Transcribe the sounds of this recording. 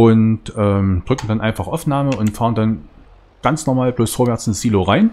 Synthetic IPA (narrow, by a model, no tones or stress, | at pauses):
ʔʊntʔɛːmd̥ʁʏkŋ̩danʔa̰ɪnfaχʔaʊfnaːməʔʊntfaːʁəndan | ɡ̥ant͡snɔɐmaːlb̥loːsfoːɐvɛɐt͡sɪnsz̥iːloʁaɪn